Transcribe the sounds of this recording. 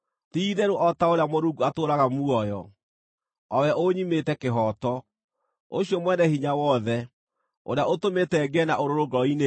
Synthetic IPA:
tiðɛɾoʔɔtaoɾeamoɾuɡuatoːɾaɣamuɔjɔ̰ | ɔwɛʔoɲimetɛkeɦɔtɔ | oɕjɔmwɛnɛhiɲawɔðɛ | o̰ɾejaʔotometɛɡɛnaoɾoɾoɡɔine

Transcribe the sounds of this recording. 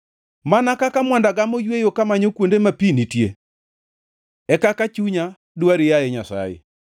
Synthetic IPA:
manakakamwandaɡamojwejokamaɲokwondemapinitje | ɛkakat͡ʃuɲa | dwaɾɪjaɛɲasa̰jḛ

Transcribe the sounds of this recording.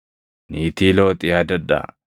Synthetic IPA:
niːt̪iːloːt̪ʼɪad̪ɐd̪ːɐ̰

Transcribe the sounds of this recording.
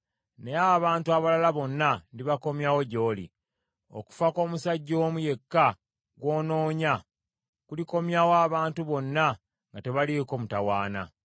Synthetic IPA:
ne̞aβaːntuaβalalaβo̞nːandiβako̞mjawo̞ɟo̞ːlḭ | o̰ku̥fako̞ːmusaɟːoːmuje̞kːa | ɡwo̞ːno̞ːɲa | kuliko̞mjawaːβaːntuβo̞nːa | ŋɡate̞βaliko̞ːmutawaːna̰

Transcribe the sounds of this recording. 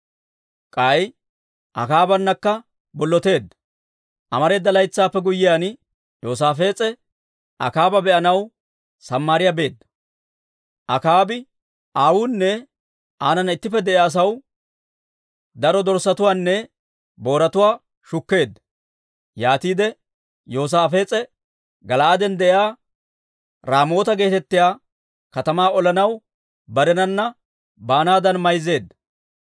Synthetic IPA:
kʼɐj | ʔɐ̰kaːbɐnːɐkːɐ | bɔlːɔt̪e̞ːd̪ːɐ̥ | ʔɐmɐɾe̞ːd̪ːɐlɐjt͡sːaːpːɛɡʊjːɪjaːn | jo̞ːs̬aːfe̞ːt͡sʼɛ | ʔɐ̰kaːbɐbɛʔɐnɐw | sɐmːaːɾɪjabe̞ːd̪ːɐ̥ | ʔɐkaːbɪ | ʔaːwunːɛ | aːnɐnɐɪt̪ːɪpːɛd̪ɛʔaːs̬ɐw | d̪ɐɾɔd̪ɔɾsɐt̪ʊwaːnːɛ | bo̞ːɾɐt̪ʊwaː | ʃʊkːe̞ːd̪ːɐ̥ | jaːt̪iːd̪ɛ | jo̞ːs̬aːfe̞ːt͡sʼɛ | ɡɐlaːd̪ɛnd̪ɛʔjaː | ɾaːmo̞ːt̪ɐɡe̞ːt̪ɛt̪ːɪjaː | kɐt̪ɐmaːɔlɐnɐw | bɐɾɛnɐnːɐ | baːnaːd̪ɐnmɐjzːe̞ːd̪ːɐ

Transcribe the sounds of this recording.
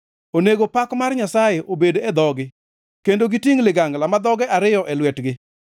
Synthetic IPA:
oneɡopakmarɲasajeʔobedoɛd̪ɔɡɪ | kendoɡitiŋlɪɡaŋɡlamad̪ɔɡɛʔaɾɪjɔʔɛlwɛtɡɪ

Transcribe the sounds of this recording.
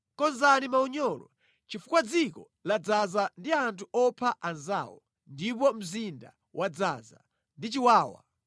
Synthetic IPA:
kɔnzanimauɲɔlɔ̰ | t͡ʃifukwad͡zikɔ | lad͡zazandiantʰuɔpʰaʔanza̰ːwɔ | ndip̬ɔm̩zinda | wʔad͡zaːza | ndit͡ʃiwaːwa̰

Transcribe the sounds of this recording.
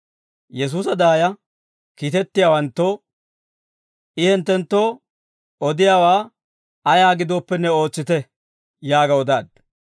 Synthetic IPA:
jɛs̬uːsɐd̪aːjɐ | kiːt̪ɛt̪ːɪjaːwɐnt̪ːo | ʔɪhɪnt̪ːɛnt̪ːo̞ː | ɔd̪ɪjaːwaː | ɐjaːɡɪd̪oːpːɛnːɛo̞ːt͡sːɪt̪ɛ | jaːɡɐɔd̪aːd̪

